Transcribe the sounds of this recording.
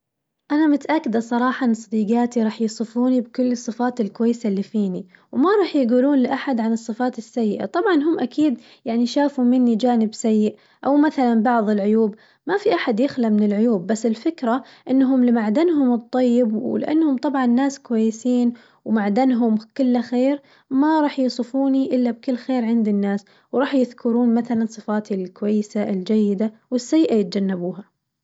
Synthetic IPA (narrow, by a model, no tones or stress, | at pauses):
ʔanamʊt̪aʔakːɪd̪asˤɑɾˤɑːħɑnsˤɑd̪iːɡaːt̪iɾˤɑːħjɪsˤɨfuːnibkʊlːɨsˤːɨfaːt̪ɪlkwajːsalːifiːniwmaɾˤɑːħjɡuːluːnlɪʔaħad̪ʕanɨsˤːɨfaːt̪ɪsːajːɪʔa̰t̪ˤɑbʕɑnɦʊmːʔakiːd̪ | jaʕniʃaːfumɪnːid͡ʒaːnɪbsajːɪʔ | ʔawmaθalanbɑʕðˤɪlʕʊjuːb | mafiʔaħad̪jɪxlamɪnɪlʕʊjuːbːasːɪlfɪkɾa | ʔɪnːɦʊmlɪmaʕd̪anɦʊmɨt̪ˤːɑjːɪbwɪ̰lɪ̰ʔa̰nːhʊmt̪ˤɑbʕɑnːaːskʊwajːɪsiːn | wmaʕd̪anɦʊmkɪlːaxeːɾ | maɾˤɑːħjɪsˤɨfuːniʔɪlːab̚kɪlːxeːɾʕɪnd̪inːaːs | wɾˤɑːħjɪðkʰʊɾuːnmaθalansˤɨfaːt̪ʰilkʊwajːɪsaɪld͡ʒajːɪd̪awɪsːajːɪʔajɪt̪̚d͡ʒanːabuːɦa